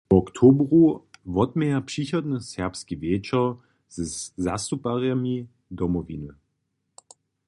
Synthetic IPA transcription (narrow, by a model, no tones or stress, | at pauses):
ɔkt̪ʰoːbʁuvɔdmɛapʂiçɔd̪nəsɛʁpskivjɛːt͡ʃɐ | z̥əza̰st̪upaʁjami | dɔmɔvḭnə